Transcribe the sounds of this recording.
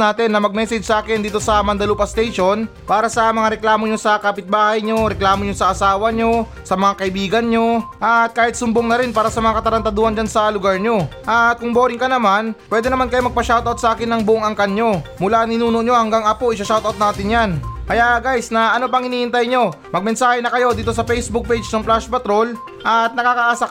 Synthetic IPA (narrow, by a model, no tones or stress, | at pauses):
naːt̪ɪnːɐmɐɡ̚mɛːsɛd͡ʒsɐʔaːkɪnd̪iːt̪o̞sɐmɐnd̪ɐluːpɐst̪ɛjʃo̞n | paːɾɐsɐmɐŋaɾɛklaːmo̞ɲo̞sɐkapɪt̪̚baːhɐjɲo̞ɾɛklaːmoɲo̞sɐʔɐsaːwɐɲo̞ | sɐmɐŋakɐʔɪbiːɡɐnɲo̞ʔɐt̪̚kaːhɪt̪̚sʊmboŋnɐɾɪnpaːɾɐsɐmɐŋakɐt̪ɐɾɐnt̪ɐd̪uːhɐnd͡ʒansɐlʊɡaɹɲo̞ʔɐt̪̚kʊŋboːɾɪŋkɐnɐmanpwɛːd̪ɛnɐmankɐjomɐɡ̚pɐʃawt̪ʔɐwt̪sɐʔaːkɪnːɐŋbʊʔoŋɐŋkɐnɲo̞mʊlaʔŋɪnuːno̞ʔɲo̞hɐŋɡaŋɐpo̞ʔɪʃɐʃawt̪ɐwt̪̚naːt̪ɪnjankɐjaʔɡajsnɐʔɐno̞pɐŋhɪniːʔɪnt̪ɐjɲo̞ | mɐɡ̚mɛnsaːhɛnɐkɐjo̞d̪iːt̪o̞s̬ɐfɛjsbʊk̚pejd͡ʒnɐŋplaʃpɐt̪ɾo̞l | ʔɐt̪̚nɐkaːkɐʔaːsa